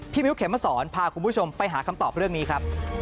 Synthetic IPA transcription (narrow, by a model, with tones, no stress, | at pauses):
tʰiː˥˩mi˦˥wkʰe˩˦mːa˧˥˩sɔː˩˦npʰaː˧kʰu˧npʰu˦˥t͡ɕʰo˧mpa˧jɦaː˩˦˥kʰa˧mt̪ɔː˨˩p̚ɾɯ˥˩əŋniː˦˥kʰɾa˦˥p̚